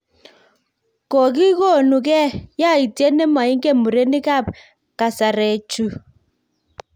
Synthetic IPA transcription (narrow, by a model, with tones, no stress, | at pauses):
kɔ˨ki˦kɔ˦˨nu˨kɛ˦ja˦˨i˨tjɛ˦nɛ˦ma˨i˦ŋɡɛ˦mu˨ɾe˦ni˦ka˦˨p̚ | ka˨sa˨ɾɛ˨t͡ʃu˨